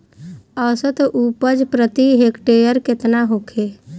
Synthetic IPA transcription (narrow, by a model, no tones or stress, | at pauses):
əːsət̪ʔuːpəd͡ʒpɾət̪iɦekʈeːjəɾkɪt̪naɦokʰeː